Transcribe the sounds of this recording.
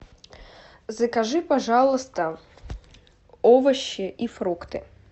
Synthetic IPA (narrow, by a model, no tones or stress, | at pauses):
zɐkaʐɨpaʐalˠɨst̪ə | ovɐɕːɪʔifɾukt̪ɨ